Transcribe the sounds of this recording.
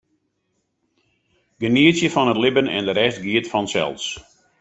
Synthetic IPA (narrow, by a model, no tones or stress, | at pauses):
ɡ̥əniətsjəfɔnətlɪbənɛ̰ndəɾɛstɡiətfɔnsɛ̰lˠs